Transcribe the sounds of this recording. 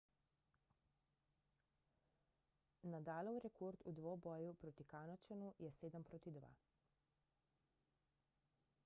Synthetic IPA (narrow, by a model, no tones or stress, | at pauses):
nad̪aːlɔwɾɛkʰoːɾt̪ud̪ʋobɔːjupɾoːt̪ikaːnɔt͡ʃɛnujɛseːd̪əmpɾoːt̪id̪ʋa̰